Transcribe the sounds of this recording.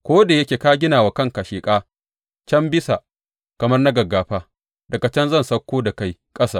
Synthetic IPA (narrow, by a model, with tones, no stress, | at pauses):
kʷoː˦da˨jɐ˦kʲeː˨kaː˦ɡʲɪ˦naː˨wa˨kɐ˦ŋka˨ʃeː˨kʼaː˦ | t͡ʃɐ˦mbɪ˦sa˨ | kɐ˨mɐ˦rna˦ɡɐ˨ɡaː˨ɸaː˦ | dɐ˨ka˨t͡ʃɐ˦nzɐ˦˨nsɐ˦kʷːoː˦da˨ka˦jkʼɐ˦saː˦˨